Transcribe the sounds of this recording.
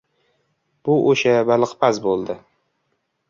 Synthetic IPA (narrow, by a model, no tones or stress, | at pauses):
b̥ʊʔoʃabalɨqpʰazbolˠd̪ɪ